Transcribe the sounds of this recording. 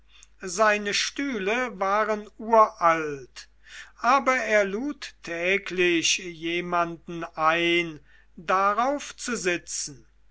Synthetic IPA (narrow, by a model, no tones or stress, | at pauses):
zaɪnəʃtyːləvaːʁənuːɐʔalt | ʔaːbɐeːɐluːtʰːɛːklɪɕjeːmandn̩aɪn | daʁaʊft͡suzɪt͡sn̩